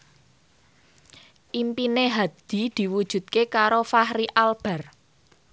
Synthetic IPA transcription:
ʔimpineɦad̪̥i̤d̪̥i̤wud̥ʒ̥ṳt̪̚kekaɾofahɾiʔalb̥ɛ̤r

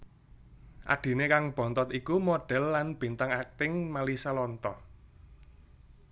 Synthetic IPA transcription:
ʔa̰ɖ̥i̤nekaŋb̥ɔ̤nt̪ɔt̪ikumoɖ̥ɛ̤lːanb̥i̤nt̪aŋak̚t̪ɪŋmalisalɔnt̪ɔ

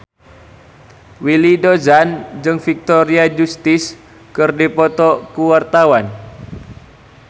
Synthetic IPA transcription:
wilidozand͡ʒɨŋfik̚t̪ɔɾiad͡ʒust̪ɪs | kɨrdipɔt̪ɔkuwart̪awan

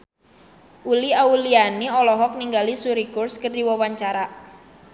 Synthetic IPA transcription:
ʔuliaulianiɔlɔɦɔk̚niŋɡalisuɾikʊrskərdiwawaɲt͡ʃaɾa

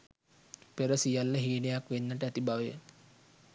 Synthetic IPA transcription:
peɾəsijalːəɦiːnejakʋenːəʈəæt̪ibaʋəjə̰

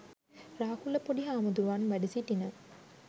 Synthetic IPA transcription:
raːkulːəpoɖiɦaːmud̪uɾʋanʋæɖisiʈinə

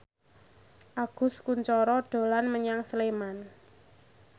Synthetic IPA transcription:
ʔaɡ̥ʊ̤skuɲt͡ʃɔɾɔɖ̥o̤lanməɲaŋsleman

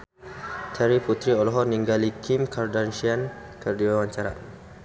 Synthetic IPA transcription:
t̪ʰɛɾiput̪ɾiɔlɔɦɔrniŋɡalikʰimkardanʃian | kərdiwawaɲt͡ʃaɾa̰

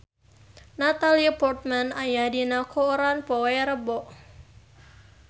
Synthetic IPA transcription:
nat̪alipɔrt̪̚manajahdinakʰoɾanpɔwɛɾəbɔʔ

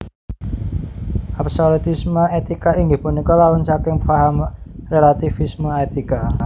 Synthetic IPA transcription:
ʔapsolut̪isməet̪ikaiŋɡipunikɔlawansakɪŋfaɦamrelat̪ifisməet̪ika

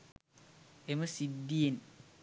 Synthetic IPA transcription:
eməsidːien

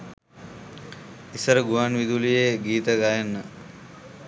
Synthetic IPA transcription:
isəɾəɡuʋanʋid̪ulijeɡiːt̪əɡajɐnːə

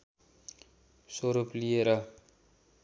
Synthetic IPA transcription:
soɾuplijeɾʌ

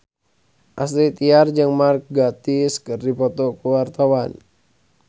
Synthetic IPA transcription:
ʔasɾit̪iard͡ʒɨŋmark̚ɡat̪iskɨrdipɔt̪ɔkuwart̪awan

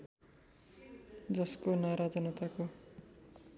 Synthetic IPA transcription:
d͡zʌskonaɾad͡zʌnʌt̪ako

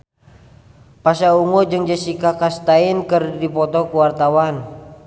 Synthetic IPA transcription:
pasauŋɔd͡ʒəŋd͡ʒəsikakast̪ainkərdipɔt̪ɔkuwart̪awan

